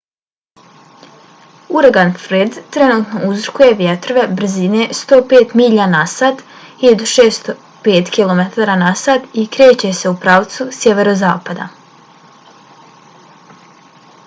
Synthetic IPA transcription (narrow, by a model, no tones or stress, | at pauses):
uɾaɡanfɾed̪t̪ɾe̞nuːt̪no̞uzrkuje̞ʋjet̪ɾo̞ʋe̞br̩zine̞st̪o̞ːpeːt̪miʎanasad̪id̪ʃeːst̪o | peːt̪kilˠo̞met̪aːɾanasad̪ikɾe̞ːt͡ɕe̞se̞upɾaʋt̪susjeʋeɾozaːpad̪a̰